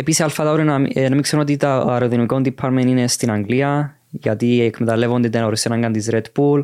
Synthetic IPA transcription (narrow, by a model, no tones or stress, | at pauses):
episialfat̪ɐuɾinnɐmikseɾonot̪it̪ɐːɾoðinuikond̪ipʰːaɐɾmeninest̪inɐŋɡliɐ | ʝɐt̪iekʰmet̪ɐlːe̞vond̪et̪enɐoɾisenɐŋɡɐnt̪izɾed̪bul